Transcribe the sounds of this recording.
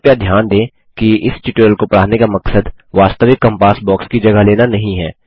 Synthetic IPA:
jad̪ʱjaːnd̪ẽː | kiɪsʈɪʈəəlkopɐɽaːnekamɐksəd̪ʋaːst̪əʋɪkːə̃mpaːsbɔːkskid͡ʒɐɡəɦleːnanɐɦĩɦɛː

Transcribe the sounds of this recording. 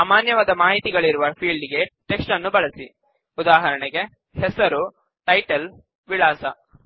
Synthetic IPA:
saːmaːnjɐʋaːd̪ɐmaːɦit̪iɡɐɭiɾuʋɐpʰiːɭɖiɡe̞ʈeksʈɐnːubɐɭɐsi | ud̪aːɦɐɾɐɳɛɡe̞ | hɛsɐɾu | ʈɐjʈɐl | ʋiɭaːsɐ

